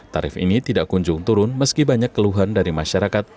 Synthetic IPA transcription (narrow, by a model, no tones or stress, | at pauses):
t̪aɾɪfḭnit̪idaʔkuɲd͡ʒʊŋt̪uɾʊnməskibaɲakːəluɦandaɾimaʃaɾakat̪̚